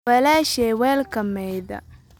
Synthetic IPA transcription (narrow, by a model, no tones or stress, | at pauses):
ɛlaːʃɛwɛːlkʰɐmɛjðɐ̰